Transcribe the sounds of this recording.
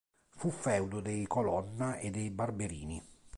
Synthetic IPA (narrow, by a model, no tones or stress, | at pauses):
fufɛwd̪od̪ejkolɔnːaʔed̪ːejbarbeɾḭːni